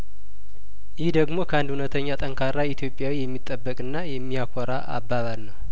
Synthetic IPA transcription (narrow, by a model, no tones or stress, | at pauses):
jɪhd̪əɡmo̞kʰəand̪hunət̪ʰəɲːat̪ʼəŋkʰaɾːait̪ʰjo̞pʼːjawijɛmːit̪ʼːəbːəkʼɨnːajɛmːiakʰɔɾaʔa̰bːaβalnəw